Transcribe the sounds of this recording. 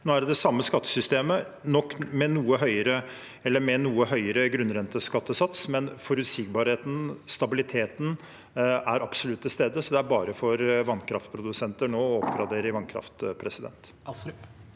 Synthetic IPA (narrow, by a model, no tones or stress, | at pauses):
noːæɖd̪ɛsɑmːəskɑt̪ːə̥sʏst̪eːmə | nɔkːmɛnuːəɦœʏəɾə | ɛlːəɾmɛnuːəhœʏəɾəɡɾʉnɾɛnt̪əskɑt̪ːəsɑt̪smɛnfɔɾʉt̪siːɡ̚bɑːɾheːt̪n̩st̪ɑbɪlɪt̪ʰeːt̪n | æɾɑb̥sɔlʉt̪ːʰɪst̪eːd̪əsɔd̪ɛæɾbɑːɾəfɔɾʋɑnkʰɾɑft̪pʰɾʊd̪ʉsɛnt̪əɳoːɔɔpɡɾɑd̪eːɾəʋɑnkʰɾɑ̰ft̪pʰɾɛsɪd̪ɛ̰nt̪